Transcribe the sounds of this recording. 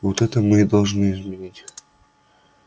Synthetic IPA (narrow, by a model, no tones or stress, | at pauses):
vot̪ɛt̪əmɨd̪ɐlˠʐnɨɪzmʲɪnʲitʲ